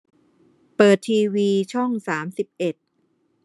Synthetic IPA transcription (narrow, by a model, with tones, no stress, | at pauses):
pɤː˨˩t̪ʰːiː˧wiː˧t͡ɕʰɔ˥˩ŋsaː˩˦msi˨˩p̚ʔe˨˩t̪̚